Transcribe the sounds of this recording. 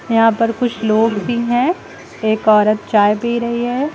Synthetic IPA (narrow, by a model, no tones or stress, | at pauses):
jɐɦãːpɐɾkʊt͡ʃʰloːɡbʱiɦɛ̃ | eːkɔːɾət̪̚t͡ʃaːjbiiɾɐɦiɦɛː